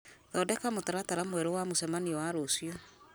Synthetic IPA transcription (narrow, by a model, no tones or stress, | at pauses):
ðɔːdɛkamotaɾataɾamwɛɾɔwamosɛmaniɔwaɾosjɔ